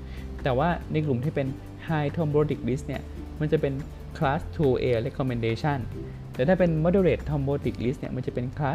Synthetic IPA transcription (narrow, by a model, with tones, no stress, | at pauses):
t̪ɛː˨˩waː˥˩na˧jk̬lu˨˩mt̪ʰiː˥˩pe˧n | haː˧jt̪ʰɔ˧mboː˧t̪i˨˩k̚li˦˥sni˥˩ɐ | ma˧nt͡ɕa˨˩pe˧n | kʰlaː˦˥st̪ʰuː˧ʔeː˧lɛ˦˥kʰːɔ˧me˧ndeː˧t͡ɕʰa˥˩n | t̪ɛː˨˩˦t̪ʰaː˥˩pe˧nmɔː˧˥doː˧ɾeː˨˩t̪ʰːɔ˧mboː˧t̪i˨˩k̚li˦˥sni˥˩ma˧nt͡ɕa˨˩pe˧nkʰlaː˦˥